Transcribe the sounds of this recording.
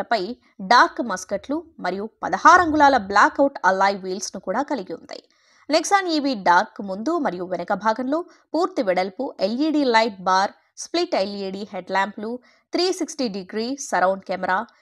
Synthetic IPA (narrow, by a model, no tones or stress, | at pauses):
ɐpɐj | ɖaːɾkmɐskɐʈlumɐɾijupɐd̪ɐhaːɾɐŋɡulaːlɐblaːkɐwʈɐlːaːjʋiːlsnukuːɽaːkɐliɡiṵnd̪ɐ̰j | neksaːniːʋiɖaːɾkːmund̪umɐɾijuʋɛnɐkɐbʱaːɡɐnlo̞ː | puːɾt̪iʋɛɽɐlpuʔeliːɖiːlɐjʈ̚baːɾ | spliʈeliːɽiːɦeɖlaːmplu | t̪ʰɾiːsiksʈiɖiɡɾiːsɐɾɐwɳɖkɛːmɛɾaː